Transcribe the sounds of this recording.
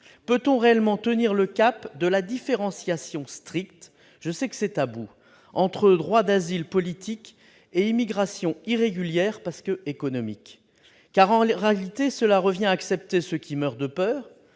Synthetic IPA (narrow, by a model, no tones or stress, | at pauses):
pøt̪ɔ̃ʁeɛlmɑ̃t̪əniʁləkapd̪əlad̪ifeʁɑ̃sjasjɔ̃st̪χik̚t̪ | ʒ̥əsɛkə̥sɛt̪abu | ɑ̃t̪χəd̪ʁwad̪azilpɔlit̪ʰik | eimiɡʁasjɔ̃iʁeɡʲyljɛʁpaʁskəekɔnɔmikː | aʁɑ̃ʁealit̪esəlaʁəvjɛ̃aksɛp̚t̪esəkʲʰimœʁd̪əpœːʁ